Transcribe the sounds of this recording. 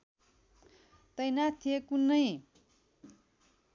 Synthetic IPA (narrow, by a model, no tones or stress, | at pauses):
t̪ʌjnat̪ʰːijekunːʌj